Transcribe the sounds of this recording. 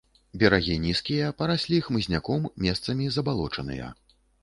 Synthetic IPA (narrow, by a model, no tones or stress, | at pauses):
bʲɛɾaɣʲinʲiskʲijɐpɐɾasʲlʲixmɨzʲnʲakɔmːʲɛst̪sɐmʲizɐbalˠɔt͡ʂɐnɨ̰jɐ̰